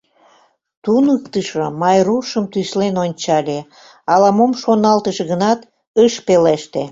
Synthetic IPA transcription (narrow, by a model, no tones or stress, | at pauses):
t̪unəkt̪əʃomɑjruʃəmt̪yslenonʲt͡ɕɑlʲe | ɑlɑmomʃonɑlt̪əʃeɣənɑt̪ | əʃpeleʃt̪e